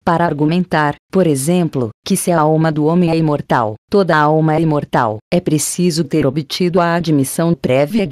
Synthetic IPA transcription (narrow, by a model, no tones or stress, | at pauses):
paɾɐaɾɡumẽnt̪aɾpoɾezẽmplʊkɪsɪaawmɐd̪ʊõmẽɛĩmoɾt̪a̰wt̪od̪ɐawmɐɛimoɾt̪a̰wɛpɾesizʊt̪eɾobit͡ʃid̪ʊɐad͡ʒimisɐ̃w̃pɾɛviɐ